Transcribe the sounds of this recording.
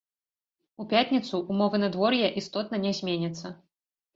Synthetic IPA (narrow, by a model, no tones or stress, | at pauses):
upʲat̪ʲnʲit̪suʔːmɔvɨnɐd̪vɔrjɛʔist̪ɔt̪nɐnʲɛzʲmʲenʲɛt̪sːɐ